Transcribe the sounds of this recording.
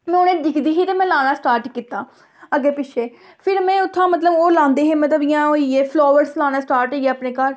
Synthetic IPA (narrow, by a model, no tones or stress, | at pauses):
mɛ̃ːonẽːɖɪkd̪iːɦiːt̪eːmɛ̃ːlãːnãːsʈaːɾʈkiːt̪aː | əɡeːpɪʃʰeː | pʰɪɾmɛ̃ːʊt̪ʰːãːmət̪̬ləboːlãːnd̪eːɦẽːmət̪əbɪjãːɦoːiːeːpʰloːʋəɖslãːnaːsʈaːɾʈːeːəpneːkəl